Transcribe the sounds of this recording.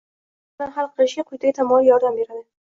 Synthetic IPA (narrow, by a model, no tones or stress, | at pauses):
nanhalˠqʰɨlɪʃɪɡʲaqʰʊjt̪aɡʲat̪ʰamɒlijɒɾd̪ambe̞ɾad̪ɪ